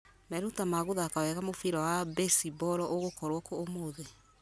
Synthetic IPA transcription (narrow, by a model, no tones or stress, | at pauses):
mɛɾotamaɣoðaːkawɛɣamofiɾɔwabɛsibɔɾɔʔoɣokɔɾwɔkoːmoðe